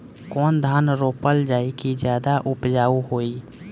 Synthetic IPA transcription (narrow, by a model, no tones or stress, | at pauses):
kɔːnd̪ʱaːnɾoːpəld͡ʒaːikid͡ʒjaːd̪aʔʊpd͡ʒaːuɦoːi